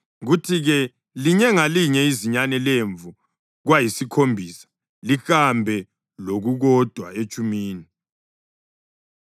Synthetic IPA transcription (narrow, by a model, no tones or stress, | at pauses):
ɣutʰiɣɛ | liɲɛŋaliɲɛiziɲanɛleɱvu | ɣwajisikʰombʱiːsḁ | lixambʱɛ | loɣuɣɔd̥ʱwaet͡ʃʼumiːni